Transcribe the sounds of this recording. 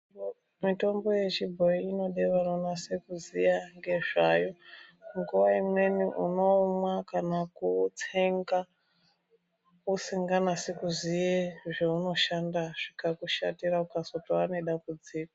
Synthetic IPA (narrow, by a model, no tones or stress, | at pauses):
mito̞mbo̞je̞t͡ʃibʱo̞iino̞ɗe̞ʋanonasekuzijaŋɡe̞ʐajo̞ŋɡuʋaimwe̞niʔṵno̞mwakanakut͡seŋɡa | useŋɡanase̞kuzijeʐeuno̞ʃandaʐ̥ikakuʃatiraukasotoaneɗambud͡ziːkḁ